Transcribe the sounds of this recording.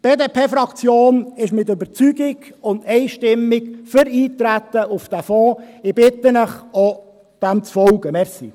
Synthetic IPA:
b̥eːdeːpʰeːfɾɑkt͡sjoːnɪʃmɪtøbəɾt͡syɡɪɡʊnd̪ɛɪʃtɪmːɪɡfəɾiːt̪ɾæt̪ːəʊfd̥æfɔːɪb̥ɪtːənəχo | d̥ɛmt͡sfɔlɡ̥əmɛɾsḭ

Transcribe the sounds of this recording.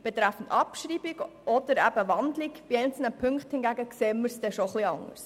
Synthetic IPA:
b̥et̪ɾæfən̩tɑpʃɾiːbiɡ | ʔɔd̥̪əɾæbəʋɑndlikb̥iɛɪnt͡sl̩nəpʰʏŋkχthɪnɡæɡəkseːməɾsd̥ɛʃoχliɑŋə̰s

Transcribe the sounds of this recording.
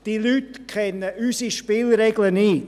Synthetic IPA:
d̥ilytkʰɛnəysiʃpɪːlɾɛɡləniː

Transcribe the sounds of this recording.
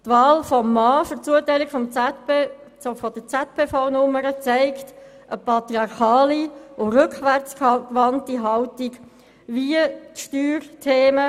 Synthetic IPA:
tʋɑːlfɔmːɑːfʏɾt͡suətæɪlikfɔm | ofɔd̥ət͡sɛt̚pʰeːfaʊnʊməɾət͡sæɪkt | ʔəpɑt̪ɾiɑɾχɑːliʔoɾʏkχʋæɾt͡skkʋɑntiɦɑwtiɡ | viətʃtyːɾtʰeːmə

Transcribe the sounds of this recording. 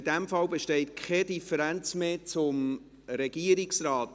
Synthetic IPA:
ɪd̥æmfɑlbeʃtɛɪtkʰχɛdifəɾænt͡smeːt͡sʊm | ɾɛɡ̥iəɾiksrɑːt

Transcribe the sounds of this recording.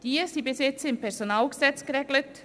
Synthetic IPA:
d̥iːsiːbəsɪt͡səɪmpʰɛɾzonaːlɡəz̥ɛt͡sɡ̥əɾɛːɡlət

